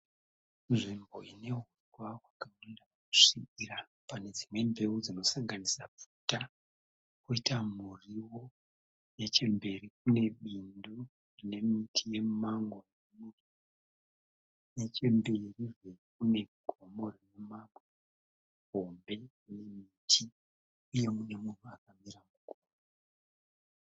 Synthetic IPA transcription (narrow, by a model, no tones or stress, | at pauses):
nʐimbo̞ine̞ɦutwawakawandaaku̥ʂiira | pane̞d͡zimwe̞mbe̞ud͡zino̞saŋɡanisaputa | kuitamuriwo̞ | je̞t͡ʃe̞mbe̞rik̚une̞ɓindu | rine̞mitʰije̞maŋɡonemuri | ne̞t͡ʃe̞mbe̞riʐe̞k̚une̞ɡʱo̞mo̞rinemame | ɦo̞mbe̞rine̞mitʰi | uje̞mune̞mun̤uakamiɾamuɡʱomo